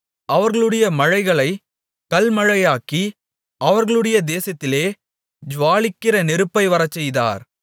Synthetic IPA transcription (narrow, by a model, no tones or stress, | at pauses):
ɐʋɐɾɣɐɭɯɽɐjɐmɐɻɐɪɣɐɭɐɪ | kɐlmɐɻɐjaːki | ʔɐʋɐɾɣɐɭɯɽɐjɐd̪eːsɐt̪ːɪleː | d͡ʒʋaːɭɪkːɪɾɐnɛɾɯpːɐɪʋɐɾɐt͡ʃːɛjða̰ːɾ